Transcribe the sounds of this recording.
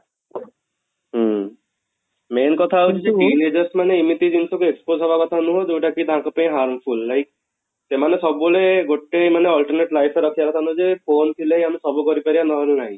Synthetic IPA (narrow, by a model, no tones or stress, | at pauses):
ɦ | menkɔt̪ʰaːɦut͡ʃʰit͡ʃiʈined͡ʒɔɾsmaneimit̪id͡ʒinsɔkueksposɔbakɔt̪ʰanũɦod͡ʒewʈakid̪ʱãkɔpaĩɦaɾmpʰulːajk̚ʰ | semanesɔbuleɡoʈemaneɔlʈɔɾneʈlajpʰeɾɔkʰijaɾɔt̪ʰanɔd͡ʒepʰont̪ʰileɦiamesɔbukɔɾipaɾibanɔɦelunaɦĩ